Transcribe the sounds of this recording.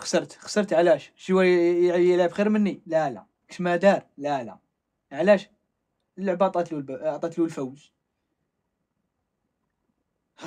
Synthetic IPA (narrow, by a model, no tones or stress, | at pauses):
xɑ̥səɾˤt̪xɑ̥sˤəɾˤt̪ʕlæʃʒiwæʕjəlʕəbxiɾmənːilælæ̰ | kə̥ʃmæd̪ɑɾˤlælæ̰ | ʕlæʃ | lːəʕbɑt̪ˤɑt̪lulbɑt̪ˤɑt̪lulfæwz